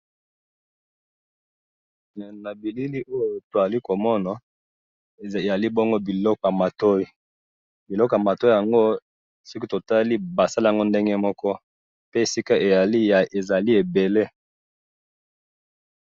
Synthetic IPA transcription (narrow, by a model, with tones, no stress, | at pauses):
na˨bi˨li˦li˦ʔo˦jo˨to˨a˨li˦ko˨mɔ˦na˨ | e˨ja˨li˦bɔ˦ŋɡo˦bi˨lɔ˦kɔ˨ja˨ma˨to˦i˦ | bi˨lɔ˦kja˨ma˨to˦i˦ja˨ŋɡo˦ | so˦ki˦to˨ta˦li˦ba˨sa˦la˦˨a˨ŋɡo˦nde˦ŋɡe˦mɔ˦kɔ˦ | pe˦e˨si˦ka˦ʔe˨ja˨li˦ja˨e˨za˨li˦e˨be˨le˦